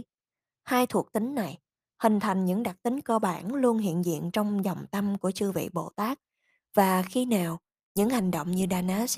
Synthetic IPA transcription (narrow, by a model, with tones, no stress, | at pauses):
haː˧jt̪ʰu˨˩ək̚t̪ï˨˦ŋ̟na˨˩j | hï˨˩ŋ̟t̪ʰa˨˩jŋ̟ɲɨ̰˧˥ŋɗa˨˩k̚t̪ï˨˦ŋ̟kɔ˧ɓaː˧˩nlu˧ənɦḭ˧˨ənzḭ˧˨ənt͡ɕɔ˧wŋ͡mzɔ˨˩wŋ͡mt̪a˧mku˧˩ət͡ɕɨ˧əvḭ˧˨ɓo̰˧˨t̪aː˦˥k̚ | v̥aː˨˩xi˧naː˨˩w | ɲɨ̰˧˥ŋha˨˩jŋ̟ɗo̰˧˨wŋ͡mɲɨ˧ɗaː˧naː˨˦˥